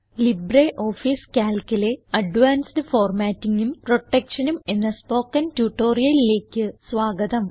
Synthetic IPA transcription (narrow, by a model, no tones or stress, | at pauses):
libreʔo̞ːfiːskʲaːlkuleɐɖʋaːnsdɨfoːrmaːtːiŋɡumpro̞ʈːekʂɐnume̞nːɐspo̞ːkːɐntjuːʈːo̞ːrijɐlile̞ːkʲːɨsʋaːɡɐðɐm